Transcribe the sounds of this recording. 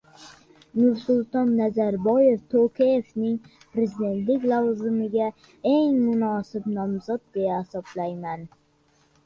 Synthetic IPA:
nʊɾsʊlˠt̪ɒnːazaɾbɒjeft̪ʰokʲʰejevnɪŋ | pʰɾezid̪e̞nt̪lɪkʲlˠawzʊmɪɡʲa | eŋmʊnɒsɪpnɒmzɒt̪̚d̪ejahasɒblajman

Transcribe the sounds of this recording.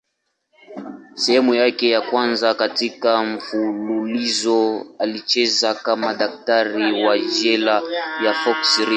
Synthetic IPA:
sɛhɛmujakɛjakwanzakatikaɱ̩fululizɔalit͡ʃɛzakamaɗak̚taɾiwaʒɛlajafɔksɾi

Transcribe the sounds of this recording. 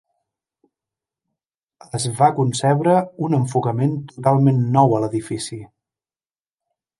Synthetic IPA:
əzβakunsɛβɾəunəɱfukəment̪ut̪alˠmenːɔwələðifisi

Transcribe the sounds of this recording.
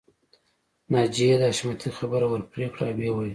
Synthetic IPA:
nɑd͡ʒijed̪əaʃmat̪ʰixabəɾawəɾpɾekɽawewa

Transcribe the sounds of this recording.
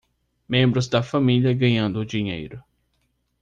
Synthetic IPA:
mẽmbɾʊzd̪ɐfamiliɐɡɐ̃ɲɐ̃nd̪ʊːd͡ʒiɲḛjɾʊ

